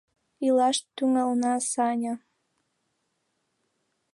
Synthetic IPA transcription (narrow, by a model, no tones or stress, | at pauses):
ilɑʃt̪ːyŋəlnɑsɑnʲə